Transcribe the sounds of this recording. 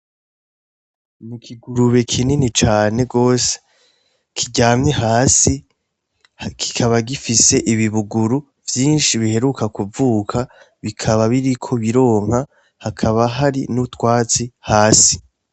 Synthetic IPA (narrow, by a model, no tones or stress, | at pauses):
mukʰiɡuɾuβe̞kʰininit͡ʃaːne̞ɡo̞ːse̥ | kʰiɟaːmɲehaːsi | kʰi̥kʰaβaɡifise̞ʔiβiβuɡuɾu | vjiːnʃiβihe̞ɾukakuvuːkʰa | βikʰaβaβiɾikʰo̞βiɾo̞ːŋ̥ha | hakʰaβaɦaɾinutwaːt͡sihaːsi̥